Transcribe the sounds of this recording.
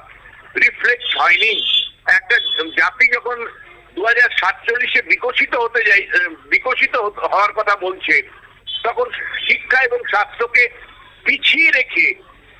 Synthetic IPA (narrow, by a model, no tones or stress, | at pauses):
ɾifleksɦɔeniɛk̚ʈad͡ʑat̪id͡ʑɔkʰon | d̪uɦad͡ʑaɾʃat̪̚t͡ɕolːiʃebikoʃit̪oɦot̪et͡ɕajbikoʃit̪oɦoɦɔoaɾkɔt̪ʰabolt͡ɕʰe | t̪ɔkʰonʃikʰːaeboŋʃast̪ːɾoke | pit͡ɕʰieɾekʰe